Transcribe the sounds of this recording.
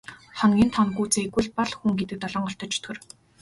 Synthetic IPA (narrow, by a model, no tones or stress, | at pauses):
χɔnɡʲiːnt̪ʰɔnɡuːt͡seːeɣwɘ̆ɮpɔɮxuŋɡet̪ɘ̆k̚t̪ɔɮɞːɴɢɔɬt̪ɞ̆t͡ɕt̪ʰɵ̆r